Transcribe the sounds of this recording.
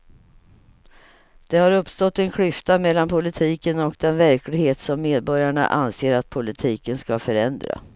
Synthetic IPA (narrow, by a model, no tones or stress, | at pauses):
d̪̥ɛhaɾɵpːst̪ɔt̪ːɛnkʰɽʏft̪amɛlːanpʰʊlɪt̪ʰiːkənɔkd̪ɛnvæɾklɪɡheːt̪sɔmːeːd̪̚bɔɾjaɳa̰ʔanseːɾat̪̚pʰʊlɪt̪ʰiːkənskafœɾɛnd̪ɾa̰